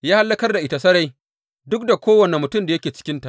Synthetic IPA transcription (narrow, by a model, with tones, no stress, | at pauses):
jaː˦ha˦lːɐ˦kɐ˦rda˨ʔɪ˨ta˨sɐ˦ɽa˦j | dʊ˦k̚da˨kʷoː˦wɐ˨ne˨mʊ˨tʊ˦˨mda˨jɐ˦kʲeː˨t͡ʃɪ̥˦kʲɪ˦nta˨ʔ